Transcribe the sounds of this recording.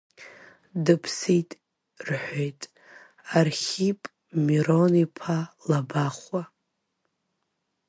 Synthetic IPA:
dɨpʰsitʼ | rħʷojtʼ | arχʲipʼ | miɾonipʰalabaχwa

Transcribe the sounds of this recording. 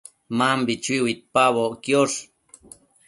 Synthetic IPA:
mambit͡ʃiwit̪̚paβokjoʂ

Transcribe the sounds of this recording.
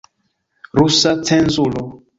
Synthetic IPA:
ɾusat͡sɛ̃nzulɔ

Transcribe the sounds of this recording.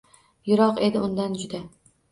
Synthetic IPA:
jʊɾɒqe̞d̪ɪʊnd̪and͡ʒʊd̪a

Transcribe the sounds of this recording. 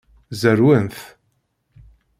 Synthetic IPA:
zəɾwənθ

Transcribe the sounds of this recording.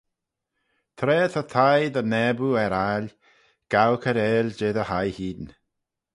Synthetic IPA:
t̪ʰɾeːθət̪ʰajdənɛbuɛɾal | ɡ̥awkʰəɾeːld͡ʒeːðəhajhiːn

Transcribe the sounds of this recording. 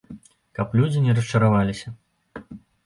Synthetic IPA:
kɐplʲud͡zʲinʲɛɾɐs̬t͡ʂɐɾavalʲisʲɐ

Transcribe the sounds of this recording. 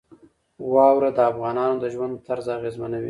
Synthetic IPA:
wɑwɾad̪əafɣɑnɑnod̪əʒwand̪t̪aɾzaɣezmanawḭ

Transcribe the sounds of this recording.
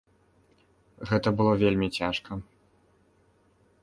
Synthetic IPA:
ɣɛt̪ɐbɨlˠɔvʲelʲmʲit͡sʲaʂkʰɐ

